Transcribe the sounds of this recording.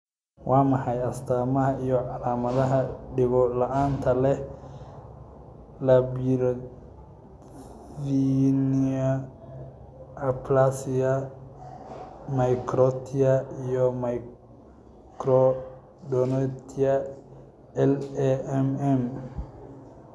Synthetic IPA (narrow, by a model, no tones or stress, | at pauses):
wɑːmɑħɑjɐst̪ʰaːmɐɦɐijɔʕɑlaːmɐðɐɦɐɖɪβɔlɐʔaːnt̪ʰɐlɛ | lɐbiɾ | iniɐ | ɐplasɪɐ | majkʰɾɔt̪ʰɪɐijɔma | kɾɔ | dɔnɔt̪ʰiɐ | ɛlɛɛmɛm